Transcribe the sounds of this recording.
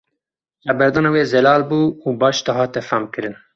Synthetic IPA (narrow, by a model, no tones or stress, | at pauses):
χɛbɛɾd̪ɑːnɑweːzɛlɑːlbuːubɑːʃt̪ɑɦɑːt̪ɛfæmkɨɾɨn